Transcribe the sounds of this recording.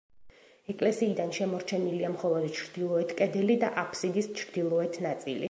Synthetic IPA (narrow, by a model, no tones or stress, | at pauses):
ɛkʼlɛsiːd̪anʃɛmɔɾt͡ʃʰɛniliamχɔlˠɔd̪t͡ʃʰɾd̪̥ilˠɔɛt̪ʰkʼɛd̪ɛlid̪aʔapʰsid̪ist͡ʃʰɾd̪ilˠɔɛt̪ʰnat̪sʼḭlḭ